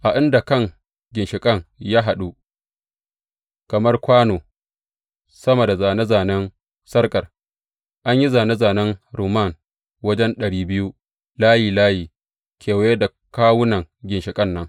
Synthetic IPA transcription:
ʔa˨ʔɪ˦nda˨kɐ˦˨ŋ | ɡʲɪ˨nʃɪ˨kʼɐ˦ŋja˦ɦa˨ɗu˦ | kɐ˨mɐ˦rkʷaː˦noː˨ | sɐ˦ma˨da˨zaː˨ne˦zaː˨nɛ˦n | sɐ˦rkʼɐ˨r | ʔa˦ɲji˦zaː˨ne˦zaː˨nɛ˦nɾuː˨ma˦˨n | wɐ˦d͡ʒɛ˦nɗɐ˨ɽiː˦bɪ˦ju˦ | laː˦jiː˨laː˦jiː˨ | kʲeː˨wje˦da˨ | kaː˦wʊ˦nɐ˨ŋɡʲɪ˨nʃɪ˨kʼɐ˦nːɐ˦ŋ

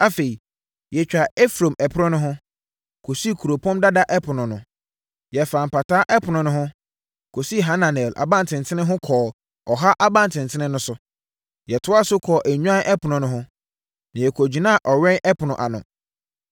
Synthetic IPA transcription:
a˨fe˨i˨ | jɛ˨t͡ɕᶣa˨ɛ˦fɾõ˨mɛ˨pʰɾʊ̃˦nʊ̃˦ɦʊ̃˦ | kʰo˨si˦˨kʰu˨ɾo˨pʰɔ̃˦mda˦da˦ʔɛ˦pʰʊ˨nʊ̃˨nʊ̃˨ | jɛ˨fã˨m̩˨pa˨tʰaː˦ʔɛ˦pʰʊ˨nʊ̃˨nʊ̃˦ɦʊ̃˦ | kʰo˨si˦˨ɦa˦nã˨nɛ˨lʔa̰˨bã˦n˨tʰɪ̃˨n̩˨tʰɪ̃˦nɪ̃˦ɦʊ̃˦kʰɔː˨ | ɔ˨ɦa˦ʔa˦bã˦n˨tʰɪ̃˨n̩˨tʰɪ˦nɪ̃˦nʊ̃˦sʊ˨ | jɛ˨tʰʊ˦a˦sʊ˦kʰɔː˨ʔæ˨ɲᶣũ˦ã˦nʔɛ˦pʰʊ˨nʊ̃˨nʊ̃˨ɦʊ̃˦ | nã˨jɛ˨kʰɔ˨d͡ʑi˨nã˦˨ʔɔ˨ɥɛ̃˦nɛ˦pʰʊ˨nʊ̃˨ʔa̰˨nʊ̰̃˨

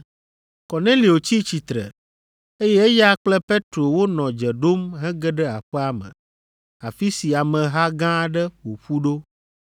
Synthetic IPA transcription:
kɔ˨nẽ˦li˨o˨t͡ɕi˦t͡ɕi˨t̪ɾɛ̰˨ | e˦jɛ˦e˦ja˦k͡plɛ˦pe˦t̪ɾo˨wo˦nɔ̃˨d͡ʒɛ˨ɖo˦mɦɛ̃˦ɡɛ˦ɖɛ˦a˨ɸɛ˦a˦mɛ̰̃˨ | a˨fi˦si˨a˨mɛ̃˨ɦa˦ɡã˦ɖɛ˦wo˨ɸu˦ɖo˦

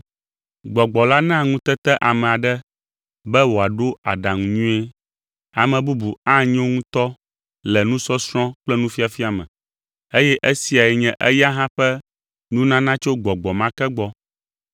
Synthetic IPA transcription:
ɡ͡bɔ˨ɡ͡bɔ˨la˦nã˦˨ŋũ˦t̪ɛ˦t̪ɛ˦ʔa˨mɛ̃˨a˨ɖɛ˦ | bɛ˦wo˨a˨ɖo˦a̰˨ɖa˨ŋũ˨ɲũ˦ɛ˦ | a˨mɛ̃˨bu˦bu˨a˦ɲɛ̃˦o˦ŋũ˦t̪ɔ˦ | lɛ˨nũ˦sɔ˦sɾ̃ɔ̃˦k͡plɛ˦nũ˦fi˦a˨fi˦a˨mɛ̰̃˨ | e˦jɛ˦ʔe˦si˨a˨ɛ˨ɲɛ̃˨ʔɛ˦ja˦ɦã˦ɸɛ˦ | nũ˦nã˦nã˦t͡ʃo˦ɡ͡bɔ˨ɡ͡bɔ˨mã˦kɛ˦ɡ͡bɔ˦

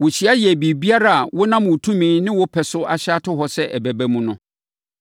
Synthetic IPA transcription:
wʊ˨ɕi˦a˦jɛ˨bi˨bi˦a˦ɾa˦˨a˨wʊ˦nã˦m˨ʊ˨tʰũ˦mĩː˨˦nɪ̃˦wʊ˦pʰɛ˨sʊ˦a̰˨ɕa˦tʊ˦ɦɔ˨sɛ˦ʔɛ˨bæ˨bæ˦mũ˨nʊ̰̃˨

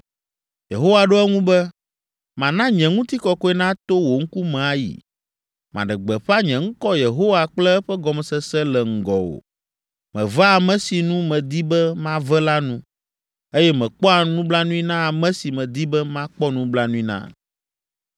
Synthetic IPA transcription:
je˨ɦo˦wa˨ɖo˦ɛ˦ŋũ˦bɛ˦ | mã˨nã˦ɲɛ̃˨ŋũ˦t̪i˦kɔ˦kɔ˦ɛ˦nã˦t̪o˦wo˨ŋ̩˦ku˦mɛ̃˨a˦jḭ˨ | mã̰˨ɖɛ˨ɡ͡bɛ˨ɸa˦ɲɛ̃˨ŋ̩˦kɔ˦je˨ɦo˦wa˨k͡plɛ˦ɛ˦ɸɛ˦ɡɔ˨m˨sɛ˦sɛ˦lɛ˨ŋ̩˨ɡɔ̰˨wo̰˨ | mɛ̃˨va˦a˨mɛ̃˦si˨nũ˦mɛ̃˨d̪i˦bɛ˦mã˦vɛ˦la˦nũ˦ | e˦jɛ˦mɛ̃˨k͡pɔ˦a˨nũ˦bla˦nũ˦i˦nã˦a˨mɛ̃˦si˨mɛ̃˨d̪i˦bɛ˦mã˦k͡pɔ˦nũ˦bla˦nũ˦i˦nã̰˦

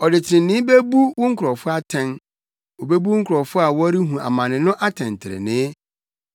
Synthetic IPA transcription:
ɔ˨dɪ˨tʰɪ̃˨n̩˦nɪ̃˦be˦bu˦wʊ̃˦ŋ̩˦kʰʊ˨ɾɔ˨fʊ˦a˦tʰɛ̃˦n | o˨be˦bu˦ŋ̩˦kʰʊ˨ɾɔ˨fʊ˦a˨wɔ˦ɾi˦ɦũ˨a̰˨mã˨nɪ̃˨nʊ̃˦ʔa˦tʰɛ̃˨n˨tʰɪ˨ɾɪ̰˨nɪ̃˦

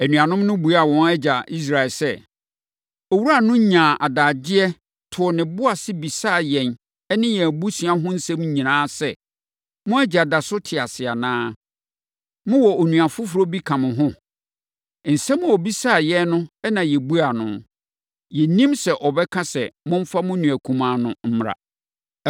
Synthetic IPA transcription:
æ˨nũ˨ã˨nʊ̃˦mnʊ̃˦bu˨a˦˨wɔ̃˨nɛ˦d͡ʑa˨ʔi˦s̬ɾa˨ɪ˨lsɛ˦˨ | ɔ˨wu˦a˨nʊ̃˦ɲã˨ʔa˨daː˨d͡ʑɪ˦ɛ˦ | tʰʊ˨ɔ˨nɪ̃˨bʊ˦a˨sɪ˦bi˨saː˦˨jɛ̃˨n | ɛ˦nɪ̃˦jɛ˨æ˨bu˦sĩ˨a˦ɦʊ̃˦n̩˦sɛ̃˦m˦ɲĩ˨nãː˦sɛ˦ | mʊ̃˦æ˦d͡ʑa˨da˨sʊ˦tʰɪ˨a˨sɪ˨a̰˨nãː˦ | mʊ̃˦wɔ˨o˨nũ˨a˨fʊ˦fʊ˨ɾo˦bi˦kʰã˨mɪ̃˨ɦʊ̃˦ | n̩˨sɛ̃˦mʊ̃˦˨ɔ˨bi˦saː˦˨jɛ˦nʊ̃˦ɛ˦nã˨jɛ˨bu˦a˨nʊ̃˨ | jɛ˨nĩ˦msɛ˨ʔɔ˨bɛ˦kʰã˦sɛ˨mʊ̃˦m̩˦fa˦mʊ̃˦nũ˨æ˨kʰũ˨mãː˨nʊ̃˨m̩˦m˨ɾa̰˨

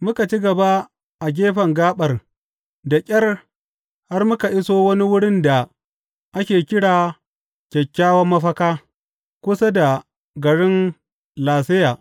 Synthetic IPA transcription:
mʊ˦ka˨t͡ʃi˦ɡɐ˨ba˦ | ʔa˨ɡʲeː˦ɸɐ˨ŋɡaː˦ɓɐ˨r | da˨kʲʼɐ˦r | ha˦rmʊ˦ka˨ʔɪ˦soː˦wɐ˦ni˦wʊ˦ɽɪ˦nda˨ | ʔa˦kʲeː˨kʲɪ˦ɽaː˨ | kʲɛ˨kʲːaː˦wɐ˦mːɐ˦ɸɐ˦kaː˦ | kʷʊ˦sa˦da˨ | ɡɐ˨ɽɪ˦n | laː˨sɪ˦jaː˨ʔ

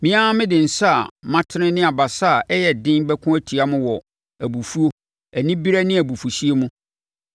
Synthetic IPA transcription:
mĩ˦a˦mɪ̃˦dɪ̃˨n̩˨sa˦a˨mã˦tʰɪ˦ɪ̃˦nɪ̃˦a˨ba˨sa˦˨ʔɛ˦jɛ˨dɪ̃˦nbɛ˦kʰʊ̃˦æ˦tʰi˨a˦mʊ̃˦wɔ˨ | æ˨bu˨fu˦o˦ | æ˨nĩ˦bi˦ɾa˦nɪ̃˦æ˨bu˨fu˨si˦e˦mũ˦

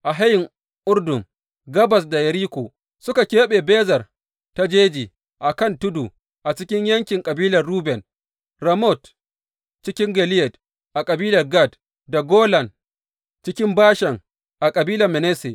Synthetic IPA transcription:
ʔa˨ɦa˦jɪ˨ŋ | ʔʊ˦rdʊ˨m | ɡɐ˦bɐ˨s̬da˨jɐ˨ɾiː˦kʷo˨ | sʊ˦ka˨kʲeː˦ɓe˨beː˦zɐ˨r | ta˦d͡ʒeː˦d͡ʒiː˨ | ʔa˨kɐ˦˨ntʊ˦du˨ | ʔa˨t͡ʃɪ˦kʲɪ˦ɲjɐ˦ŋkʲɪ˨ŋkʼɐ˨biː˦lɐ˨rɽuː˦bɛ˨n | ɾɐ˨mɔ˦˨t | t͡ʃɪ˦kʲɪ˦ŋɡɐ˨lɪ˦jɛ˨t | ʔa˨kʼɐ˨biː˦lɐ˨rɡa˦˨d | da˨ɡoː˦lɐ˨n | t͡ʃɪ˦kʲɪ˦mbaː˦ʃɛ˨ŋ | ʔa˨kʼɐ˨biː˦lɐ˨mɛ˨nɛː˦se˨

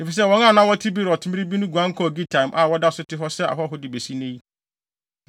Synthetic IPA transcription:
nɪ̃˨fi˨s̬ɛ˦˨wɔ̃˨˦ŋ˦ã˦˨nã˦wɔ˦tʰi˦bi˦ɾɔ˨tʰʊ̃˦mɪ̃˦ɾi˦bi˦nʊ̃˦ɡʷu˨ã˦ŋ˦kʰɔ˦˨ɡi˦tʰã˨mʔa˨wɔ˦da˦˨sʊ˦tɪ˦ɦɔ˦sɛ˦a̰˨ɦɔ˦ɦʊ˦dɪ˨be˨si˦nẽ˦i˦

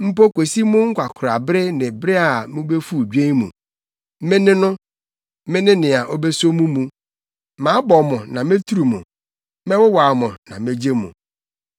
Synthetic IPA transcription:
m̩˦po˦kʷe˨si˦mʊ̃˦ŋ̩˦kʷʰa˨kʰʊ˨ɾa˨bɾɪ˦nɪ̃˨bɾɪ˦a˨mɪ̃˦be˦fu˦˨d͡ʑᶣẽ˦mṵ̃˨ | mɪ̃˦nɪ̃˦nʊ̃˦ | mɪ̃˦nɪ̃˦nɪ̃˨a˨ʔo˦be˦so˦mũ˦mũ˨ | mãː˨˦bɔ˨mʊ̃˨nã˨mẽ˦tʰu˦ɾu˨mʊ̰̃˨ | mɛ̃˦wʊ˦wa˨mʊ̃˨nã˨mẽ˦d͡ʑe˦mṵ̃˨

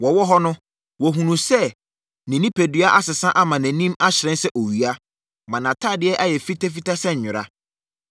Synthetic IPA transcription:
wɔ˨wɔ˦ɦɔ˦nʊ̃˦ | wɔ˨ɦũ˨nũ˨sɛ˦˨ | nɪ̃˨nĩ˦pʰæ˨dɥa˦ʔa˦sɪ˨sã˦ʔa˦mã˨næ̃˨nĩ˦ma˦ɕɪ˨ɾɛ̃˦nsɛ˦ʔo˨ɥi˨a˦ | mã˨nã˨tʰa˦˨dɪ˦ɛ˦ʔa˦jɛ˨fi˦tʰa˦fi˦ta˦sɛ˦ɲ̩˨ɲʊ̃˨ɾa̰˦

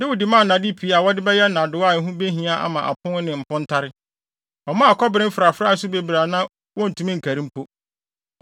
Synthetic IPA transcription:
nɪ̃˦wʊ˨di˨mã˦˨nã˨di˦pʰi˨˦a˨wɔ˦dɪ˦bɛ˦jɛ˦nã˨dʊ˨˦a˦˨ɦũ˦be˦ɦĩ˨a˦ʔa̰˨mã˨ʔa̰˨pʰʊ̃˦n˦nɪ̃˨m̩˨pʰʊ̃˦n̩˦tʰa˦ɾɪ˦ | ɔ˨mã˦a˨kʰɔ˦bɪ˨ɾɪ̃˦fɪ˨ɾa˨fɾa˦˨˦s̬ʊ˦be˨bɾa˨nã˦ | wɔ̃˦n̩˨tʰũ˨˦mĩ˦ŋ̩˨kʰæ˨ɾĩ˦m˦pʰo˦

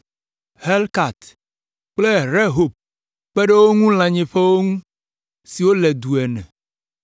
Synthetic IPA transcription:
he˦lka˨t̪ | k͡ple˦ɾe˦ɦo˨b̚ | k͡pe˦ɖe˦wo˦ŋũ˦l̃ã˨ɲẽ˨ɸe˦wo˦ŋũ˦ | si˨wo˦lɛ˨d̪u˨ɛ˨nɛ̰̃˨

